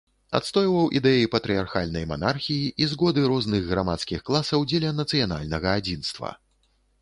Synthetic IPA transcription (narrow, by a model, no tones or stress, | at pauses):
a̰t̪st̪ɔjvɐwʔid̪ɛjipɐt̪ɾɨjarxalʲnɐjma̰narxʲijiʔizɣɔd̪ɨɾɔznɨɣɣɾamat̪skʲixklˠasɐwd͡zʲɛlʲɐnɐt̪sɨjana̰lʲnɐɣɐad͡zʲin̪st̪vɐ̰